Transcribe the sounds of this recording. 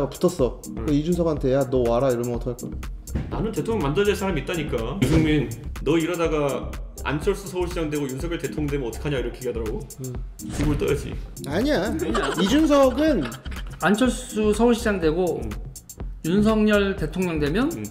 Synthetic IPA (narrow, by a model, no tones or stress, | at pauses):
ɡapu̥tʰʌs͈ʌ | kɯid͡ʑunsʰʌɡɦantʰe̞janʌwaɾaiɾʌnmʌtʰkʰːaɭk͈ʌ | nanɯnte̞tʰoŋjmandɯɭd͡ʑeɭsʰaɾamit͈aɲik͈aibʰuŋminːʌiɾʌdaɡaa̰nt͡ɕʰʌɭs͈usʰʌuɭɕʰid͡ʑaŋdwe̞ɡojunsʰʌŋɲʌɭte̞tʰoŋndwemjʌnʌt͈ʰʌ̥kʰaɲaiɾʌkʰeɡeadʌɾaɡo | t͡ɕuɡuɯɭt͈ʌɾjʌd͡ʑḭaɲiaɲaid͡ʑunsʰʌɡɯnant͡ɕʰʌɭss͈usʰʌuɭɕʰid͡ʑaŋdwe̞ɡo | junsʰʌŋɲʌɭte̞tʰoŋɲʌŋdwe̞mjʌn